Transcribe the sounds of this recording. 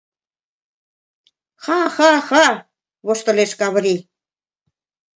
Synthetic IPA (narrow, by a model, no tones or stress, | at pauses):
xɑxɑxɑ | βoʃt̪ə̆leʃkɑβ̆ɾi